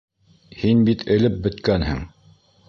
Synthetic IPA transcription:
hinbit̪ʰɘ̆lɘp̚bɘ̆t̪kænhɘ̰ŋ

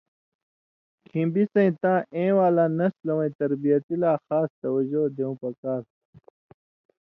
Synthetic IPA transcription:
kʰĩmbisɐ̃ĩt̪ãːʔẽːwaːlaːnɐslɐwɐ̃ĩt̪ɐɾbijɐt̪ilaːxaːst̪ɐwɐd͡ʑoːd̪eũːpɐkaːɾ

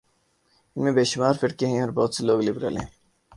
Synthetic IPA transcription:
ɪnmẽbeːʃʊmaːɾfɪʈkeɦɛ̃ɔɾbɔːt̪seloːɡlibɾa̰lḛ̃

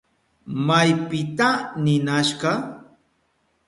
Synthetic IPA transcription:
majpɪt̪anɪnaʃɢɑ

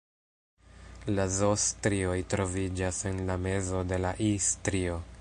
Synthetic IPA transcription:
lazostɾio̞jtɾo̞vid͡ʒase̞nlame̞zo̞de̞laʔistɾio̞

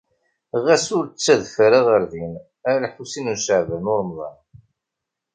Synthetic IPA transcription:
ʁæsʊɾt͡sːæðfɾaʁəɾðin | æɾælħusinunʃəʕvænʊɾmðˤɑ̰n

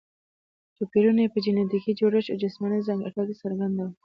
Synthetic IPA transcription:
t͡ʃopiɾunepəd͡ʒinad̪ikid͡ʒoɾɪʃod͡ʒɪsmanazaŋɡaʈakesaɾɡand̪aw

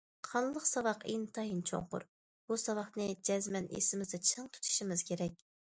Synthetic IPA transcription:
qʰɑnlˠəqsɑwɑqint̪ʰɑɦint͡ʃʰo̰ŋqʊ̰ɾ | b̥usɑwɑχnɨd͡ʒɛzmɛnḛsɪmɪzd̪ɛt͡ʃʰɨŋt̪ʰu̥t̪ʰu̥ʃimɪz̥kʲʰeɾɛk̚ʲ

